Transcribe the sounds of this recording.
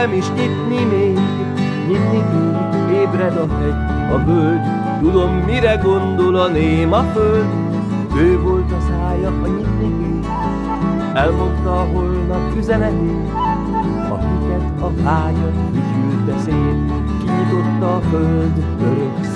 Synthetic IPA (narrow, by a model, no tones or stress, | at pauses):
ɛmiʃɲit̪nimeːɡ | ɲinnːiɡmeːɡ | eːbɾɛd̪ɒɦɛɟ | ɒbøld̪ | t̪ud̪o̞mːiɾɛɡo̞nd̪o̞lɒneːmɒføld̪ | øːvo̞lt̪ɒsaːjɒʔɒɲit̪nimeːɡ | ɛlmo̞nt̪ɒːɦo̞lnɒpkyzɛnɛt̪eː | ɒ̰hit̪ɛt̪ɒvaːɲot̪ifylt̪ɛseːl | kiɲit̪o̞t̪ːɒːføld̪ | øɾø